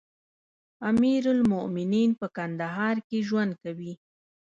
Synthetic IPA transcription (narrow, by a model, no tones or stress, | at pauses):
amiɾʊlmʊʔmɪninpəkand̪aɦɑɾkeʒwand̪̚kawi